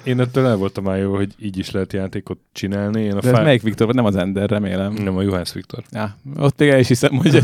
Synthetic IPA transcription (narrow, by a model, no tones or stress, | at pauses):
eːnɛt̪ːøːlɛlvo̞lt̪ɒmaːjoːvɒɦo̞ɟiːɟiʃlɛɦɛt̪jaːt̪eːko̞t̪̚t͡ʃinaːlnieːnɒd̪ɛzmɛjikʋikt̪o̞rvɒɟnɛmɒzɛnd̪ɛrːɛmeːlɛmnɛmɒjuɦansʋikt̪o̞̰rjaot̪ːmeːɡɛliʃhisɛmhoɟ